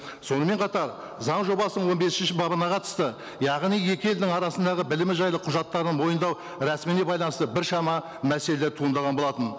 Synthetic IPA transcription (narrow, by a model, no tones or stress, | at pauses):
so̞nəme̞ɴqʰɑt̪ɑɾ | zɑɴʒo̞bɑsənəɴwo̞nbe̞sɪʃɪnʃɪbɑbənɑqʰɑt̪ə̥st̪ə | jɑʁnijje̞kʲɪjeld̪ɪŋɑɾɑsənd̪ɑʁəbɪlɪmɪʒɑjlˠəqʰʊʒɑt̪ːɑɾənmo̞jənd̪ɑw | ɾæsminebɑjlˠɑnəst̪əbɪɾʃɑmɑ | mæse̞leleɾt̪ʰuənd̪ɑʁɑnbo̞lˠɑt̪ən